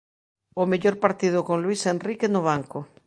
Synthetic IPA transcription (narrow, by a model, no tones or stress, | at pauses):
omeʎoɾpaɾt̪iðʊkoŋlwisenrikenʊβ̞aŋko